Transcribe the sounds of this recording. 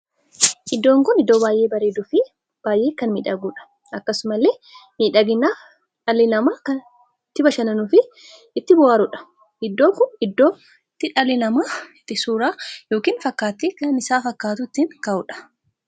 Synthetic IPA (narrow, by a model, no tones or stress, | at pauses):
ʔɪd̪ːo̞ːŋkʊnɪd̪ːo̞ːbaːjʔe̞ːbɐɾeːd̪ʊfɪ | b̥aːjʔe̞ːkɐnmḭːᶑɐɡuːᶑɐ̥ | ʔɐkːɐsʊmɐlːeːmiːᶑɐɡɪnːaː | ᶑɐlːɪnɐmaːkɐn | t̪ːɪbɐʃɐnɐnʊfɪ | ɪt̪ːɪbɔwaːɾʊᶑɐ̥ | ɪd̪ːo̞ːkʊɪd̪ːo̞ː | t̪ːɪᶑɐlːɪnɐmaːɪt̪ːɪsuːɾaːjo̞ːkiːnfɐkːaːt̪ːeːkɐnɪsaːfɐkːaːt̪ʊɪt̪ːɪnkɐʔʊᶑɐ̥